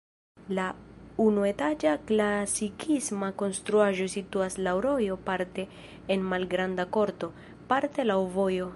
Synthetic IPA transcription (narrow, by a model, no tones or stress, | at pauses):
launue̞tad͡ʒaklasikʰismako̞nst̪ɾuaʒo̞situaslawɾo̞jo̞paɾte̞ː | nmalɡɾandako̞ɾto̞ | paɾte̞lawvo̞jo̞